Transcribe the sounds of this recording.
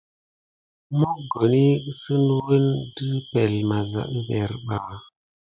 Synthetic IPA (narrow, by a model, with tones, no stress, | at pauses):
mo˦ɡo˨ni˦sɨ˦n˦wə˦ndɨ˦pe˨lma˨za̰˨ʔbe˨ɾɓa˨